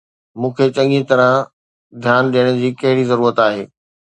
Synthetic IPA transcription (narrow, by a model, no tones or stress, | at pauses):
mũːkʰet͡ɕɐ̃ŋĩt̪ɐɾə̃ | d̪ʱjaːnɗijəɽ̃əd͡ʑiːkɐɦɪɽizɐɾuːɾət̪aːɦeː